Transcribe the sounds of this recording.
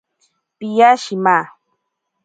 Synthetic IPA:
pijaʃimaː

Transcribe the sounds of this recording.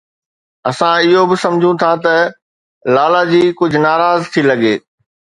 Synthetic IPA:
ɐsãɪɦobɪsɐ̃md͡ʑʱũt̪ʰat̪ɐ | laːlad͡ʑiːkʊd͡ʑʱʊnaːɾaːzt̪ʰilɐɡeː

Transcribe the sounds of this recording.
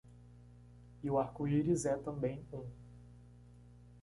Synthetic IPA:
iuaɾkuiɾizɛt̪ɐ̃mbẽj̃ũ

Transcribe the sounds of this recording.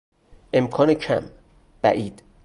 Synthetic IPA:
ʔe̞mkʰɒːnecʰæ̰m | b̥æ̰ʔiːd̪̥

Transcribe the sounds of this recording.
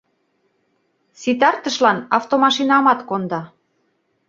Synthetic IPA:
sit̪ɑrt̪əʃlɑnɑft̪omɑʃinɑmɑt̪kond̪ɑ

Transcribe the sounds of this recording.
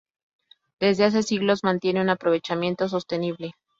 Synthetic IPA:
d̪̥e̞zðe̞as̬e̞siɣlo̞zmãnt̪je̞neunapɾo̞β̞e̞t͡ʃamje̞nt̪os̬o̞st̪e̞niβle̞

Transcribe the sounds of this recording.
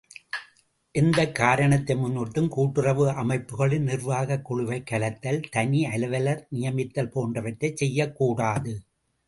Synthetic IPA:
ʔɪnd̪ɐkːaːɾɐɳɐt̪ːɐɪmʊnːɔʈːɯmkuːʈːɯrɐʋɯʔɐmɐɪpːɯɣɐɭɪnnɪrʋaːɣɐkːʊɻʊʋɐɪkːɐlɐt̪ːɐlt̪ɐniɐlɐʋɐlɐɾnɪjɐmɪt̪ːɐlpoːndrɐʋɐʈːɐɪt͡ʃɛjːɐkːuːɽaːðɯ

